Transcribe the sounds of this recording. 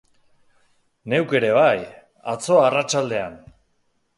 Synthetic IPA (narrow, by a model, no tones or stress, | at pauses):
ne̞wke̞ɾe̞β̞aj | a̰t͡so̞arat͡ʃald̪e̞an